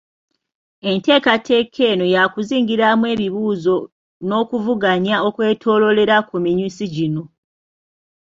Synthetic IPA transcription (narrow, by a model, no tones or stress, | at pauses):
e̞nte̞ːkatʰe̞kʰe̞ːno̞jakuziːŋɡiɾamwe̞ːβiβuːzo̞ | no̞ːkuvuɡaɲao̞kwe̞ːtʰo̞ːlo̞le̞ɾakumiɲusiɟino̞